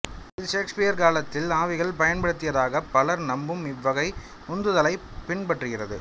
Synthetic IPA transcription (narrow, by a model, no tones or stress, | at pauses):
ɪðɯʃeːkspɪjɐɾkaːlɐt̪ːɪlaːʋɪɣɐɭpɐjɐnpɐɽɯt̪ːɪjɐðaːɣɐpːɐlɐɾnɐmbɯmɪʋːɐɣɐɪ | ʊnd̪ɯðɐlɐɪpɪɳpɐʈrɯɣɪrɐðɯ̰